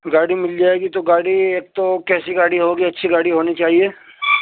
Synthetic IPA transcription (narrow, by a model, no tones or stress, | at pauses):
ɡaːɽimɪld͡ʒaːeːɡit̪oɡaːɽieːk̚t̪okɛːsiɡaːɽiɦoːɡiɐtːʃʰiɡaːɽiɦoːnit͡ʃaːɦieː